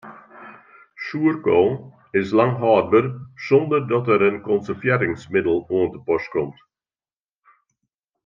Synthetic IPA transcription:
suərkoː | ɪslaŋɦɑːdbərsɔndərdɔtəɾənkɔnsərfjɛɾɪŋsmɪdəlˠuəntəpɔskɔmt

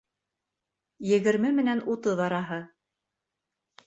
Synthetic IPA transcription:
jɘ̆ɡɘ̆ɾmɘmɘ̆nænut̪ɤðɑɾɑɦɤ

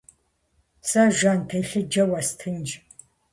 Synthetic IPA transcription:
saʒʷaːntʰɐjɬɨd͡ʒɐwɐstʰɨnd͡ʒ

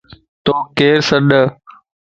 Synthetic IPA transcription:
t̪oːkeːɾsəɗə

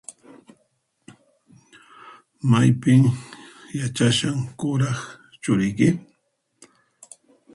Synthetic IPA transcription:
majpɪŋjat͡ʃaʃaŋkʊɾɑχt͡ʃʊɾɪjkɪ

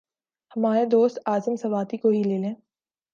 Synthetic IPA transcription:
hɐmaːɾed̪oːst̪aːzəmsɐʋaːt̪ikoɦileːlẽː

